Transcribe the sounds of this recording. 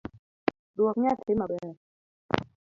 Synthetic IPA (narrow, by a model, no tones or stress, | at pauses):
ɗuək̚ɲaːt̪ʰemaːɓɛ